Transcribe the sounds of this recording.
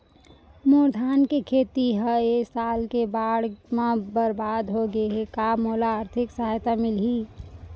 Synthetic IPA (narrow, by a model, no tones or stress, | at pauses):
moːɾd̪ʱaːnkekʰeːt̪iɦəesaːlkebaːɽmãbəɾbaːd̪ɦoɡəeɦekamoːlaːɾt̪ʰɪksəɦajt̪amɪlɦi